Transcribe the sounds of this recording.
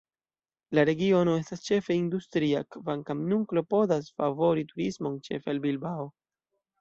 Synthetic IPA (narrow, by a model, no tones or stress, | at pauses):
laɾe̞ɡio̞no̞e̞stast͡ʃe̞fe̞industɾiakvaŋkamnuŋklo̞po̞dasfavo̞ɾituɾismo̞nt͡ʃe̞̰felbilbao